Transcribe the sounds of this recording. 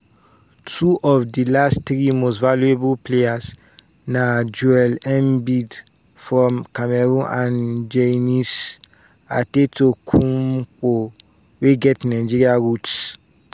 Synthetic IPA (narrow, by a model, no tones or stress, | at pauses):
tʰuʔɔvdilastɾimostvaluebulpleas | nad͡ʒuɛlɛ̃mbid | fɹɔ̃mkamɛɾũnʔãnd͡ʒenis | atetokʰũmk͡po | weɡɛtnaɪd͡ʒiɾiaɹuts